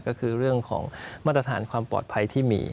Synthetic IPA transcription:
kɔː˥˩kʰɯː˧ɾɯ˥˩əŋkʰɔ̰ː˩˦ŋmaː˥˩t̪ɾa˧t̪ʰaː˩˦nkʰwaː˧mpɔ̰ː˨˩t̪̚pʰa˧jt̪ʰiː˥˩mḭː˧

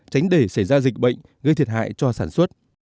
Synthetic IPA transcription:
t͡ɕa˨˦jŋ̟ɗe˧˩sa˧˩jzaː˧zi˨˩k̟̚ɓə̰˧˨jŋ̟ | ɣə˧t̪ʰi˨˩ət̚ha̰ː˧˨jt͡ɕɔ˧saː˧˩nswə˦˥t̚

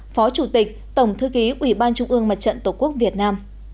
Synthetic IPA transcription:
fɔ˨˦t͡ɕu˧˩t̪i˨˩k̟̚t̪ə˧˩wŋ͡mt̪ʰɨ˧ki˨˦ʔwi˧˩ɓaː˧nt͡ɕʊ˧ŋ͡mʔɨ˧əŋmə˨˩t̚t͡ɕə̰˧˨nt̪o˧˩ku˦˥ək̚vi˨˩ət̚naː˧m

